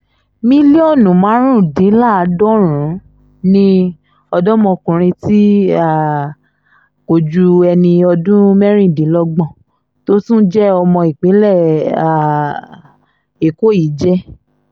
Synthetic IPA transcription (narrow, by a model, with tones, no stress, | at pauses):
mĩ˦le˦ɔ˦˨nũ˨mã˨˦ɾ̃ũ˦˨dĩ˨˦la˦˨a˧dɔ˦ɾ̃ũ˨˦ | nĩ˧ | ɔ˧dɔ˦mɔ̃˧kũ˨ɾ̃ĩ˧ti˦a˦˨ | ko˨d͡ʒu˧ɛ˧nĩ˧ɔ˧dũ˦mɛ˦ɾ̃ĩ˦˨dĩ˨˦lɔ˦ɡ͡bɔ̃˦˨ | to˦tũ˦d͡ʒɛ˦ɔ˧mɔ̃˧i˨k͡pe˨˦lɛ˦˨a˨ | e˨ko˦˨i˨˦d͡ʒɛ˦